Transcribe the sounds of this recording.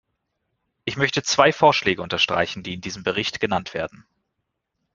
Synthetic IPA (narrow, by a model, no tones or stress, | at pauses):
ʔɪçmœçtət͡sv̥aɪfoːɐʃlɛːɡəʊntɐʃtʁ̥a̰ɪçn̩diːɪndiːzəmbəʁɪçtɡ̥ənantv̥ḛːɐdn̩